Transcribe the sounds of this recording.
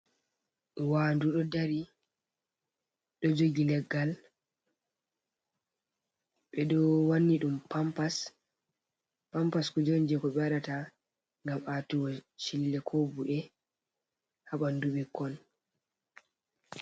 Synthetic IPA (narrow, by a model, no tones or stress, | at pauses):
waːnduɗɔdaɾi | ɗɔd͡ʒoɡilɛɡːal | ɓɛɗɔwanːiɗumpmpas | pampaskɔd͡ʒoɲd͡ʒɛkɔɓɛaɗata | ŋɡamatuwɔʃilːɛkʰobuʔɛ | haɓanduɓɛkːɔn